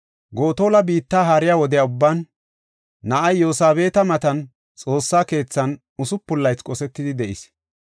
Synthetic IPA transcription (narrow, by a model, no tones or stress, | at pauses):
ɡo̞ːt̪o̞ːlɐbiːt̪ːaːɦaːɾɪjaːwɔd̪ɛjaʊbːanː | ɐʔɐjːo̞ːsaːbe̞ːt̪ɐmɐt̪ɐn | t͡sʼo̞ːsːaːke̞ːt͡sːɐn | ʊsʊpːʊlːɐjt͡skʼɔsɛt̪ːɪd̪ɪd̪ɛʔɪs